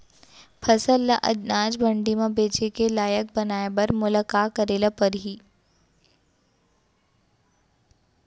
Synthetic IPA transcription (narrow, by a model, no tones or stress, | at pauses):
pʰɐsəlːaʔɐ̰d̪naːd͡ʒbɐ̃ɳɖimãbeːt͡ʃekelaːjək̚bɐnaːebɐɾmʊlakaːkɐɾeːlapɐɾɦiː